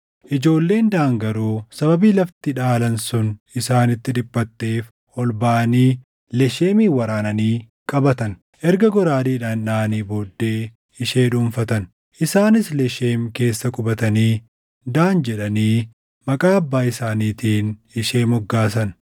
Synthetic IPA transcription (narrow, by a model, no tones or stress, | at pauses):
ʔɪd͡ʒo̞ːlːe̞ːnd̪aːŋɡɐɾuːsɐbɐbiːlɐft̪ɪᶑaːlɐnsʊnɪsaːnɪt̪ːɪᶑɪbːɐt̪ːe̞ːf | ʔɔlbaːniː | lɛʃeːmiːwɐɾaːnɐniː | kʼɐbɐt̪ɐn | ʔɛɾɡɐɡɔɾaːdiːᶑaːnᶑaːniːbo̞ːd̪ːe̞ː | ɪʃe̞ːᶑumfɐt̪ɐn | ʔɪsaːnɪslɛʃeːmke̞ːsːɐkʼʊbɐt̪ɐniː | d̪aːnd͡ʒɛᶑɐniː | mɐkʼaːɐbːaːɪsaːniːt̪iːnɪʃe̞ːmɔɡːaːs̬ɐn